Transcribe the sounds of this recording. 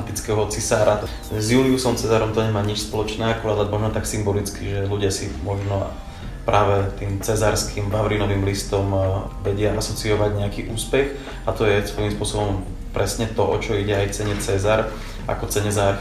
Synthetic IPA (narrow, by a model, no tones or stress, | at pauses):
nt̪it͡skɛːɦɔt͡sisaːɾa | zjuːliusɔmt͡sɛzaɾɔmt̪ɔɲɛmaːɲit͡ʃspɔlɔt͡ʃnɛːakuɾaːd̪lɛmɔʒnɔt̪aksimbɔlit͡skiʒɛluɟɪasḭmɔʒnɔ | pɾʔaːʋɛt̪iːmt͡sɛzaɾskʰiːmvaʋɾiːnɔʋiːmlist̪ɔmʋɛɟɪaʔasɔt͡siɔʋaɟɲɛakiːʔuːspɛx | at̪ɔjɛsʋɔʋimspʊɔsɔbɔm | pɾɛsɲɛt̪ɔʔɔt͡ʃɔiɟɛajt͡sɛɲɛt͡sɛzaɾ | a̰kɔt͡sɛɲɛzaɾ